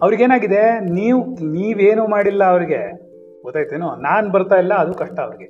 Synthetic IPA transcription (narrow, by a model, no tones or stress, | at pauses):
ɐʋɐɾiɡeːnaːɡid̪e̞niːʋniːʋeːnuːmaːɽilːɐːʋɐɾiɡe̞ | ɡɔt̪ːaːɡit̪eːnonaːnbɐɾt̪aːilːɐːd̪ukɐʂʈɐːʋɐɾiɡe